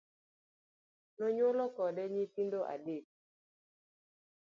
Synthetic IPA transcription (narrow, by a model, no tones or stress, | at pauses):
noɲolɔkɔdɛɲitindoʔa̰dek̚